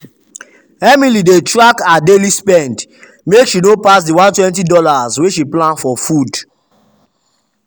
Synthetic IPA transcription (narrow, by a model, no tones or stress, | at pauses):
ɛmilidetɹakadelispɛ̃nd | mekʃinopasdiwãntwɛ̃ntidɔlazweʃiplãnfɔfud